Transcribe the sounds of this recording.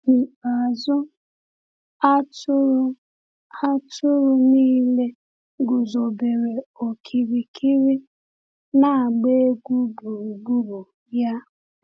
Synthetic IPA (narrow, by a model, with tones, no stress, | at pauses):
ni˨a˨zʊ˦ | a˦tʊ˦ɾ | a˦tʊ˦ɾʊ˦niː˦le˦ | ɡʊ˨zo˨be˨ɾe˨o˨kʰi˨ɾi˨kʰi˦ɾi˦ | na˦˨a˨ɡ͡be˦e˦ɡʷu˦bu˨u˨ɡ͡bu˦bu˨ | ja˦